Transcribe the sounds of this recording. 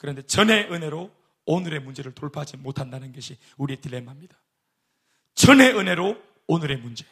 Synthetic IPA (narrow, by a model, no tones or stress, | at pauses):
kɯɾʌnde̞t͡ɕʌne̞ʔɯnɦe̞ɾo | onɯɾe̞mund͡ʑe̞ɾɯɭtoɭpʰad͡ʑimotʰandanɯnɡʌɕʰi | uɾietilːemɦamɲid̥ḁ | t͡ɕʌnɦe̞ɯne̞ɾo | onɯɾe̞mund͡ʑe̞